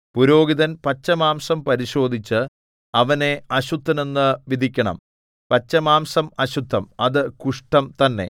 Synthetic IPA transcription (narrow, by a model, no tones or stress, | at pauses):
puɾo̞ːɡiðɐnpɐt͡ɕːɐmaːmsɐmpɐɾiɕo̞ːd̪ʱit͡ɕːɨ | ɐʋɐne̞ɐɕud̪ʰʱːɐne̞nːɨʋid̪ʱikʲːɐɳɐ̰m | pɐt͡ɕːɐmaːmsɐmɐɕud̪ʱːɐmɐðɨkuʂʈɐmt̪ɐnːe̞̰